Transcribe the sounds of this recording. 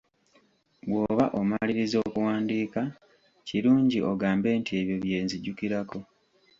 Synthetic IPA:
wwo̞ːβaʔo̞maliɾizo̞ːkuwaːndiːka | ciɾuːɲɟiʔo̞ɡaːmbe̞ːntie̞βjo̞βje̞ːnziɟukiɾako̞

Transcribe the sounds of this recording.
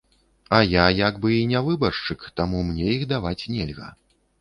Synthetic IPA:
ɐjajaɡbɨinʲavɨbɐrʂt͡ʂɨkt̪amumnʲɛjixd̪avat͡sʲnʲɛlʲɣɐ̰

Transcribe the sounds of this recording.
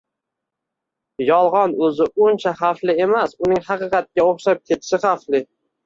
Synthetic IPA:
jɒlˠʁɒnɵzɪʔʊnt͡ʃʰaχaflɪemasʊnɪŋhɑqɨqʰɑt̪̚kʲaoχʃap̚kʲʰet̪ʰɪ̥ʃɪχaflɪ

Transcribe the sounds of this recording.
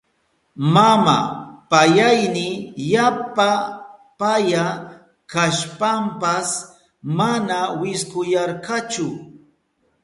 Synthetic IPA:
mama̰pajajnɪjapapaja | kaʃpampas | manawɪskʊjɑɾkat͡ʃʊ

